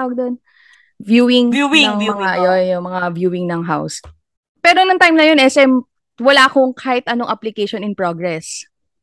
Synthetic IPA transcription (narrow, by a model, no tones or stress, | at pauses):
awɐɡ̚d̪on | vjuːwɪŋɐŋmɐŋaʔɐjonjʊmɐŋavjuːwɪŋnɐŋɦa̰ws | pɛːɾonɐŋt̪ajmnɐjo̞nʔɛsɛm | wɐlaːkoŋkʰaːhɪt̪̚ʔɐnoŋʔɐplɪkejʃonɪŋpɹoɡɾɛs